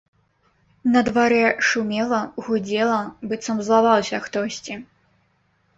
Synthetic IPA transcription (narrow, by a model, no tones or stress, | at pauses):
nɐd̪vaɾɛʂumʲɛlˠɐɣud͡zʲɛlˠɐbɨt̪sɐmzlˠavawsʲɐxt̪ɔsʲt͡sʲi